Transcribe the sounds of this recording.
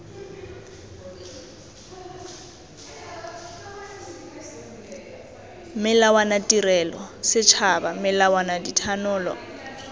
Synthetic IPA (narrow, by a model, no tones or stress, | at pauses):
mɪlawanatʼiɾɛlɔsɪt͡ʃʰabamɪlawanaditʰanʊːlɔ̰